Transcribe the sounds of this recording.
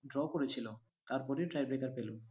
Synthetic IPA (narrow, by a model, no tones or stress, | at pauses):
ɖɾɔkoɾet͡ɕʰilo | t̪aɾpɔɾiʈɾajbɾekaɾpelo